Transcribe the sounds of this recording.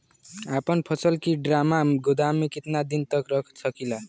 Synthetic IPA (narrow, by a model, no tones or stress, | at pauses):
apʌnpʰʌsʌlkiɖramaɡod̪amikit̪nad̪int̪ʌkrʌkʰsʌkilʌn